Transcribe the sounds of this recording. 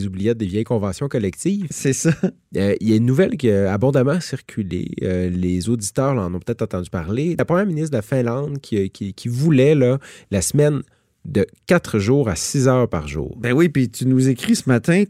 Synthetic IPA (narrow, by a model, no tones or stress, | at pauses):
zublijɛd̪evjɛjkɔ̃vɑ̃sjɔ̃kɔlɛk̚t̪iːvsɛsa | øijaynːuvɛlkʲiaabɔ̃d̪amɑ̃siʁkʲʰylḛølezod̪it̪œːʁlɑɑ̃nɔ̃pø̥t̪ɛːt̪χɑ̃t̪ɑ̃d̪ypaʁlelapχəmjɛːʁminisd̪əlafɛ̃lɑ̃d̪kʲʰikʲʰikʲʰivulɛlʌlasmɛn | d̪əkʲat̪χʒuːʁasizœːʁpaʁʒṵːʁbɛ̃wipit̪ynuzekʁisəmat̪ɛ̃